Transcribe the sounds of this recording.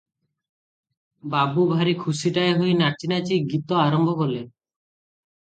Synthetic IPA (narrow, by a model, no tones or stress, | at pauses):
babubʱaɾikʰusiʈaeɦojnaɾt͡ʃinat͡ʃiɡit̪ɔaɾɔmbʱɔkɔle